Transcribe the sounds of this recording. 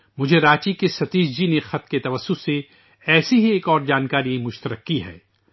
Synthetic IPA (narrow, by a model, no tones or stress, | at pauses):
mʊd͡ʒʱeɾaːt͡ʃikesɐt̪iːd͡ʒd͡ʒinexɐt̪̚ket̪ɐʋɐsːʊse | ɛːsiɦieːkɔːɾd͡ʒaːnkaːɾimʊʃt̪əɾəkːiɦɛ̰ː